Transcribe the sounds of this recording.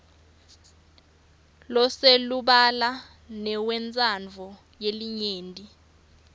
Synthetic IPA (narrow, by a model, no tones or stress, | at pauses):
lɔseluɓala | nɛwɛnt͡sʼand͡vʱɔ | jeliɲeːndʼi